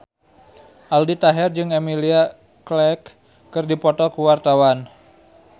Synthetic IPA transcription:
ʔaldit̪aɦɛrd͡ʒɨŋemilia | klɛkː | ɨrdipɔt̪ɔkuwart̪awan

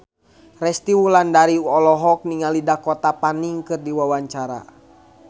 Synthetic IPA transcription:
rɛst̪iwulandaɾiɔlɔɦɔk̚niŋalidakɔt̪apaniŋkɨrdiwawaɲt͡ʃaɾa̰

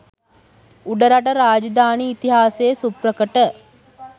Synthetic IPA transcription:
uɖəɾaʈəɾaːd͡ʒɐd̪aːniːt̪iɦaːsejsuprəkəʈə

